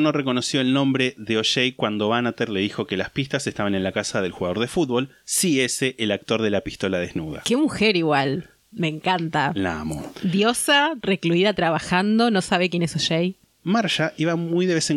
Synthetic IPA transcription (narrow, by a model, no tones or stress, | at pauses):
no̞reko̞no̞sjo̞elnõ̞mbɾe̞ðeoʃejkwand̪o̞βanat̪eɾle̞ðixo̞ke̞laspist̪ase̞st̪aβane̞nlakasaðe̞lxuɣað̞oɾðe̞fut̪̚βo̞l | sieseʔːlak̚t̪o̞ɾðe̞lapist̪o̞lað̞eznuð̞a̰kemuxeɾiɣwal | me̞ŋkant̪ala̰moðjosarekluiðat̪ɾaβaxand̪o̞no̞saβek̬je̞nesoʃej | maɾʃaʔiβamujðe̞βeseŋ